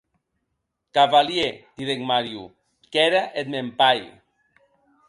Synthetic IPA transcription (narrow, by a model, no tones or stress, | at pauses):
kaβaljet̪iðeŋmaɾju | kɛɾaʔet̪̚mempaj